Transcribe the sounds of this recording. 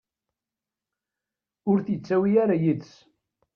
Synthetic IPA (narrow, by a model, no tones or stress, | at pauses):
ʊɾθjət͡sːæwiaɾajiðs